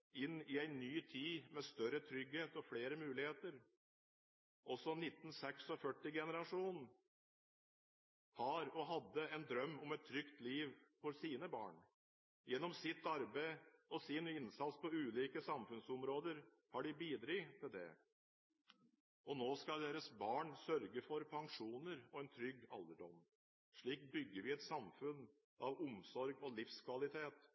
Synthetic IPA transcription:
ɪnːɪæɪnyːt̪ʰiːmɛst̪œɾət̪ʰɾʏɡheːt̪ɔfɽeːɾəmʉːlɪheːt̪əɾ | ʔɔsɔnɪt̪ːn̩sɛksɔfœʈːɪɡɛnəɾɑʂuːn | hɑɾɔɦɑd̪ːəɛnd̪ɾœmːɔmɛt̪ʰːɾʏkt̪liːʋfɔɾsiːnəbɑ̰ːɳ | jɛnːɔmsɪt̪ːɑɾbæɪɔsɪnɪnsɑt̪spʰɔʉːliːkəsɑmfʉnsɔmɾoːd̪əɾ | hɑɖɪbiːd̪ɾiːt̪ʰɪld̪ɛ̰ | ɔnoːskɑld̪eːɾəsbɑːɳsœɾɡəfɔɾpʰɑŋʂuːnəɾɔɛːnt̪ʰɾʏɡɑ̰lːəɖɔm | ʂɭiːkbʏɡːəɾʋɪɛt̪sɑmfʉn | ɑʋʊmsɔɾɡɔlɪfskʰʋɑlɪt̪ʰeːt̪

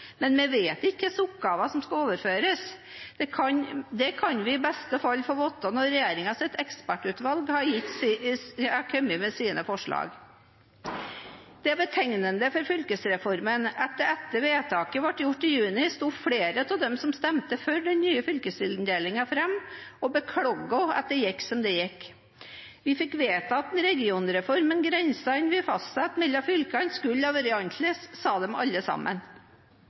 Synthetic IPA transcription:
mɛnmɛʋeːt̪ɪkːəsʊp̚ɡɑːʋɑsɔmskɑoːʋəɾføːɾəs | d̪̥ɛkʰɑnd̪ɛkʰɑnʋɪɪbɛst̪əfɑlːfɔɾʋɔt̪ːɑnɔɾɛjeːɾɪŋɑsɛt̪ɛkspæʈʉt̪ʋɑlɡhɑjɪt̪ːs | ɑkʰœmːɪmɛsiːnəfɔʂɭɑ̰ːɡ | d̪̥ɛæbət̪ʰɛŋnənd̪əfɔɾfʏlkəsɾɛfɔɾmənɛt̪d̪əɛt̪ːəʋeːt̪ʰɑːkəʋɑʈːjʊʈːɪjʉːnɪst̪uːfɽeːɾət̪ʰɑd̪ɛmsɔmst̪ɛmt̪əføːɖɛnnyːəfʏlkəsɪln̩d̪eːlɪŋɑfɾɛmɔbəkʰɽɔɡːɔɑ̰t̪̚d̪ɛjɪkːsɔmd̪ɛjɪkː | ʋɪfɪkʋeːt̪ɑɑt̪̚d̪nɾɛɡɪuːnɾɛfɔɾmənɡɾɛnsɑɪnʋɪfɑst̪sɑt̪mɪlːɑfʏlkɑnskʉlːɑʋəɾɪɑnt̪ʰləssɑːd̪ɛmɑ̰lːəsɑ̰mːə̰n

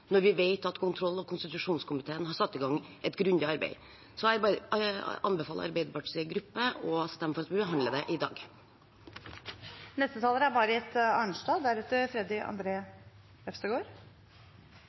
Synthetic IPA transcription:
nɔɾʋɪʋeɪt̪ɑt̪kʰʊnt̪ʰɾɔlːɔkʰʊnst̪ɪt̪ʉʂuːnskʰʊmɪt̪ʰeːənhɑɾsɑt̪ːɪɡɑŋːʔɛt̪ɡɾʉnd̪ɪɑɾbæ̰ɪ | sɔæbɑːɾəɑnbəfɑːlə̰ʔɑ̰ɾbeɪd̪əɾpɑʈəɡɾʉpːəɔst̪ɛmːəfɔɾɑt̪ʋɪbəɦɑnd̪ləd̪ɛʔɪd̪ɑ̰ːɡ | nɛst̪ət̪ʰɑːləɾəæɾbɑːɾəɛt̪ɑːɳʂʈɑːd̪æɾʉːt̪əfɾɛd̪ɪɑ̰nd̪ɾeː | ɛfst̪əɡoːɾ

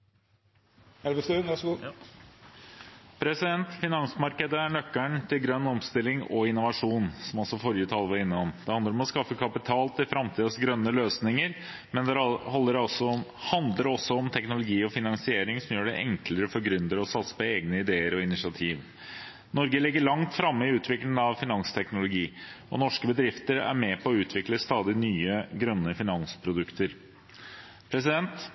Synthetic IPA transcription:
ɛəsʉæʂ | pʰɾɛsɪd̪ɛnt̪fɪnɑnsmɑɾkəd̪əæɳœkːəɳt̪ʰɪlɡɾœnːɔmst̪ɪlːɪŋɔ̰ɪnʊʋɑʂuːnsɔmɔlsɔfɔɾjət̪ʰɑːlːəʋɑɾɪnːəɔmd̪̥ɛhɑnd̪əɾɔmɔskɑfːəkʰɑpɪt̪ʰɑːlt̪ʰɪlfɾɑmt̪ʰiːd̪əsɡɾœnːəløːsnɪŋəɾ | mɛnd̪ɛhɔlːəɾɔsɔhɑnd̪ləɾɔsːɔɔmt̪ʰɛknʊlʊɡiːɔfɪnɑnsɪeːɾɪŋsɔmjøːɖɛʔɛŋkləɾəfɔɾɡɾʉnd̪əɾɔsɑt̪sə̥pɔeːɡnəɪd̪eːəɾɔɪnɪsɪɑt̪ʰiːʋ | nɔɾɡəlɪɡːəɭɑŋt̪fɾɑmːəɪʉːt̪ʰʋɪklɪŋɑʋfɪnɑnst̪ʰɛknʊlʊɡiːɔ̰nɔʂkəbəd̪ɾɪft̪əɾæ̰ɾmɛpʰɔːʉːt̪ʰʋɪkləst̪ɑːd̪ɪnyːəɡɾœnːəfɪnɑnspʰɾʊd̪ʉkt̪əɾ | pʰɾɛsɪd̪ɛnt̪

